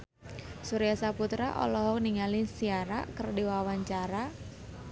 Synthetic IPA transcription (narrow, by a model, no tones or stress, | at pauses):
suɾijasaput̪ɾaʔɔ̰lɔɦɔk̚niŋalɪsiaɾa̰kərdiwawaɲt͡ʃaɾa